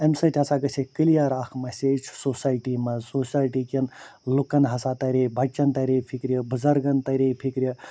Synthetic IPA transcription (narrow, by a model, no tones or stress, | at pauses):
ɐmsɐtʲɦɐsaɡɐsʰekəlijaɾaːkʰmɐsʲet͡ʃʰsosaːjʈimɐsosaːjʈikʲɐnlukɐnɦɐsat̪ɐɾebɐt͡ʃːɐnt̪ɐɾepʰikɾijɐbɨzɐɾɡɐnt̪ɐɾepʰikɾjə